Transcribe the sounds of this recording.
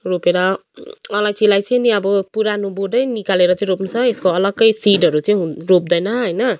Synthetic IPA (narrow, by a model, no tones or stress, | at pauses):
ropeɾʌʌlajsʰilajt͡sʌniʌbʌpuɾanoboɖʌjnikaleɾʌt͡sʌĩɾopnt͡sʰʌeskoʌlʌɡʌjsiɖɦʌɾut͡sʌĩɦurop̚d̪ʌjnʌɦʌjnʌ